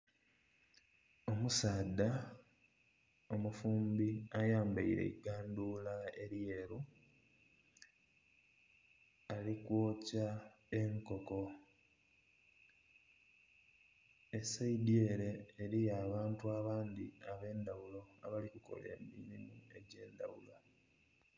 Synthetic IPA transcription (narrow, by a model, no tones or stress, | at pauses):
o̞musaːdːa | o̞mufuːmbiajaːmbaiɾe̞̰iɡaːnduːlae̞ɾje̞ɾu | alikwoːca | e̞ŋko̞ko̞ | e̞saidieɾe̞ːɾijaːβaːntuaβaːnd̪iaβe̞ːndawulo̞a̰βalikuko̞̰le̞̰ːmiɾimue̞ɟe̞ːnd̪a̰wṵla